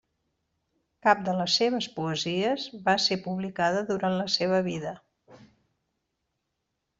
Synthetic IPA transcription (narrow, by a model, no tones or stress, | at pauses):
kap̚d̪ələsːeβ̞əspuəziəzβasepuβlikaðəðuɾanləseβ̞əβiðə